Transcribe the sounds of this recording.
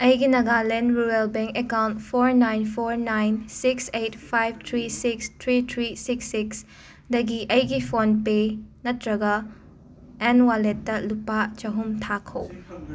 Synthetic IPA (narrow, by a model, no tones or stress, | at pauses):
ɐjɡinɐɡalɛnɾuɾelbɛŋkekawntpʰoɾnajnpʰoɾnajnsiksejt̚pʰajb̚t̪ʰɾisikstʰɾitʰɾisiksːiks | dɐɡiʔɐjɡipʰonpenɐtɾɐɡɐ | ɛnwaletːɐlupat͡ʃɐɦumtʰakʰɐw